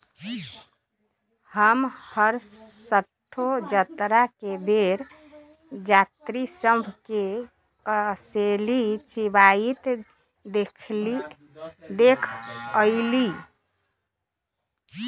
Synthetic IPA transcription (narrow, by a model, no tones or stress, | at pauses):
həmhəɾsəʈʰːod͡ʒət̪ɾakebʱeɾ | d͡ʒat̪ɾisəmbʱke | kəselit͡ʃibait̪ | d̪ekʰli | d̪ekʰəɪli